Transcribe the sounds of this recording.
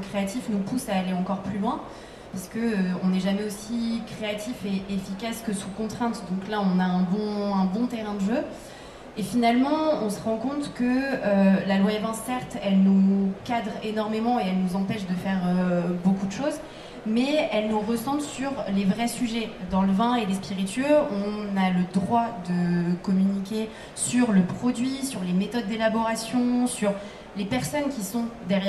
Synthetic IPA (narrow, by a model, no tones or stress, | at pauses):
kχeat̪ifnupusaːleɑ̃kɔʁplylwɛ̃ | paʁskəøɔ̃nɛʒamɛosikχeat̪ʰifeʔefikaskəsukɔ̃t̪χɛ̃t̪d̪ɔ̃klaɔ̃naɛ̃bɔ̃ɛ̃bɔ̃t̪ɛʁɛ̃d̪əʒø | efinalmɑ̃ɔ̃səʁɑ̃kɔ̃t̪kəølalwavɑ̃sːɛʁt̪ɛlnukad̪ʁenɔʁmemɑ̃eɛlnuzɑ̃pɛʃd̪əfɛʁøbokud̪əʃoz | mɛɛlnuʁəsɑ̃bsyʁlevʁɛsyʒɛd̪ɑ̃ləvɛ̃elespiʁit̪ɥøɔ̃naləd̪ʁwad̪əkɔmynikʲe | syʁləpχɔd̪ɥisyʁlemet̪ɔd̪ːelabɔʁasjɔ̃syʁ | lepɛʁsɔnkʲisɔ̃d̪ɛʁj